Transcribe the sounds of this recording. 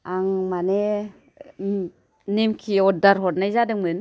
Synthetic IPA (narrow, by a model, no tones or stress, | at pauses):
aŋmane | nemkʰiɔdaɾɦɔtnajzadɯŋmɯn